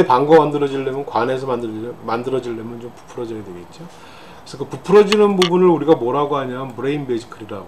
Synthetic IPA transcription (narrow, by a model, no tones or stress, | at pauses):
epaŋɡʌmandɯɾʌd͡ʑiɭdemjʌnkwane̞s̬ʰʌmandɯɾʌmandɯɾʌd͡ʑiɭdemjʌnt͡ɕompu̥pʰɯɾʌd͡ʑʌjadweɡiit̚t͡ɕ͈o | kkɾesʰʌkɯpupʰɯɾʌd͡ʑinɯnbubunɯɭuɾiɡamwʌɾaɡoɦaɲanbɯɾeinbed͡ʑi̥kʰɯɾiɾa̰ɡo